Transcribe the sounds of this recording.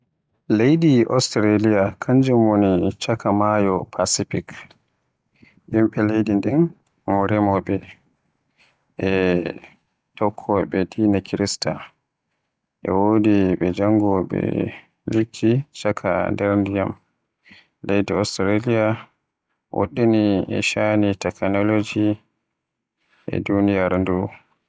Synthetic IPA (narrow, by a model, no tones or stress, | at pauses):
lejdiʔɔstɾalijakʰaɲd͡ʒɛmwonit͡ʃakʰamajɔpʰasifik | ʔimɓɛlejdindin | mɔɾɛmɔɓɛ | ʔɛ | tɔkʰːɔɓɛtʰinakʰiɾista̰ | ʔɛ̰wodiɓɛd͡ʒaŋɡɔɓɛ̰ | likʰːit͡ʃakʰa̰ndɛɾndijam | lejdiɔstɾalija | wʔo̰ɗːiniɛ̰ʃanitɛknɔlod͡ʒi | ʔɛ̰dunijaɾndu